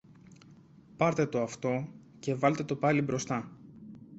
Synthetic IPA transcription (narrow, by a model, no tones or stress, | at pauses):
pɐɾt̪e̞t̪o̞ɐft̪o̞ | ce̞vɐlt̪e̞t̪o̞pɐlibɾo̞st̪ɐ